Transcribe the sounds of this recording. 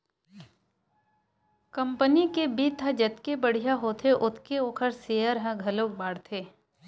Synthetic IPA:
kɐ̃mpənikebit̪ʰad͡ʒɐt̪kebəɽ̤ijaɦoːt̪ʰeʔʊt̪ʰkeoːkʰəɾseːəɾɦɛ̃ɡʱɐloːk̚baːɽt̪ʰeː

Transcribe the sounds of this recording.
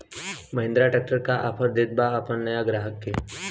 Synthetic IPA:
məɦɪ̃nd̪ɾaʈɛːk̚ʈəɾkaʔapʰəɾd̪ed̪̚baɐpənnɐjaɡɾaːɦəkːeː

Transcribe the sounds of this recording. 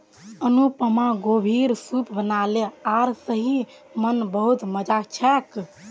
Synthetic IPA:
ənupəmaɡobʱiɾsupbənaleaɾsəɦi | mənbəɦut̪məd͡ʒat͡ʃʰɛk

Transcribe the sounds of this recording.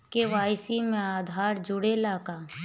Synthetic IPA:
keʋaːjsimẽaːd̪ʱaːɾd͡ʒʊɽelaːkaː

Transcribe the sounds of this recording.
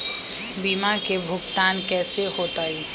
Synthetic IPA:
biːmakebʱʊɡt̪aːnkɛːsehoːt̪aːiː

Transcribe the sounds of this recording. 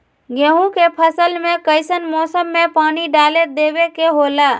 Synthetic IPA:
ɡeɦũkepʰəsəlmekəɪsənmɔːsəmːepaːniɖaled̪ebekeɦola

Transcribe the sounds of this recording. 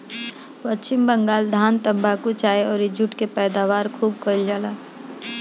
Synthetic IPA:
pət͡ʃt͡ʃɪmbəŋɡaːld̪ʱaːnt̪ə̃mbʱakut͡ʃaːeɔːɾed͡ʒʊʈkepɛːd̪aːʋaːɾkʰuːb̚kəld͡ʒaːla

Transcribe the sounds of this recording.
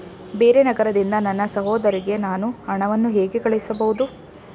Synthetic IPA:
be̞ːɾe̞nɐɡɐɾɐd̪ind̪ɐnɐnːɐsɐɦɔːd̪ɐɾiɡe̞naːnuɐɳɐʋɐnːuɦeːɡekɐɭeisɐbɐʋud̪u

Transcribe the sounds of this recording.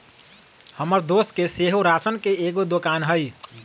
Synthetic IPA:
həməɾd̪oskeseɦoɾasənkeeɡod̪okanɦəj

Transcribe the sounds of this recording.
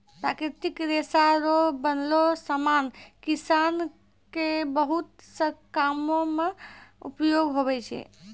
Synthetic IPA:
pɾakɾit̪ikɾesaɾobənlosəmankisan | kebəɦut̪ | səkamomeṵpjoɡɦobɛt͡ʃʰɛ̰

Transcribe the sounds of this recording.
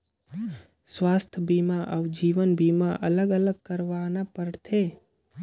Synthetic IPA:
swaːst̪ʰəbimaʔəʋd͡ʒiːʋənbiːmaʔələɡələɡ̚kəɾʋanapəɾt̪ʰeː

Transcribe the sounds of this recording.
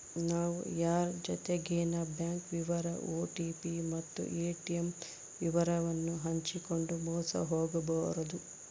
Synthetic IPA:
naːʋṵjaːɾd͡ʒɔt̪eɡeːnɐbjaːŋkʋiʋɐɾɐʔoːʈiːpimɐt̪ːṵʔeːʈiem | ʋiʋɐɾɐʋɐnːuɦɐɲt͡ʃiko̞ɳɖumɔːsɐ̰ɦoːɡɐbɐɾɐd̪u

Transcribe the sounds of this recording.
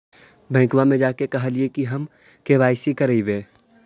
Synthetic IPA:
bɛ̃ːkʋamẽd͡ʒaːkekɐɦaliekiɦɐm | keːʋaːɪsikɐɾiʋeː

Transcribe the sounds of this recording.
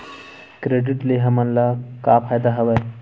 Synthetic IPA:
kɾeɖiʈleɦəmənlakapʰajd̪aɦəʋəj

